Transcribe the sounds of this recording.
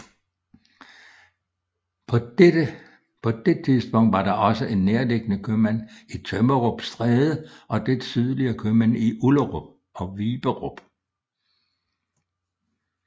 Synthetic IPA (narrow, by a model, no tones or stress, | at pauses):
pʰɒ̽d̥e̥t͡sʰiðˠsb̥ɔ̽ŋ̰d̥ʋɑ̈ɾ̥ɑ̈ʔɒ̽səʔe̝nːeɐleɡ̥ənəkʰømænit͡sʰøməʁob̥sd̥ʁɛːðˠəʔɒ̽d̥ed̥syð̞ˠliɐkʰømæniʔuləʁob̥̚ | ɒ̽ʋiːb̥əʁob̥